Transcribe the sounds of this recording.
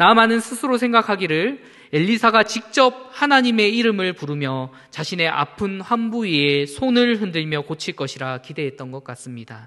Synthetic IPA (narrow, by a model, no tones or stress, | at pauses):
namanɯnsʰɯsʰɯɾosʰe̞ŋɡakʰaɡiɾɯɭ | e̞ʎːisʰaɡat͡ɕik̚t͡ɕ͈ʌp̚hanaɲime̞iɾɯmɯɭpuɾɯmjʌ | t͡ɕaɕʰine̞ʔa̰pʰɯnɸwambuie̞sʰonɯɭɦɯndɯɭmjʌkot͡ɕʰiɭk͈ʌɕʰiɾakide̞ɦe̞t̚t͈ʌnɡʌk͈̚as͈ɯmɲida